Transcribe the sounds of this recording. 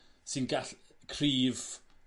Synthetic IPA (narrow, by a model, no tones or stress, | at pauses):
sɪnɡaɬkʰriːv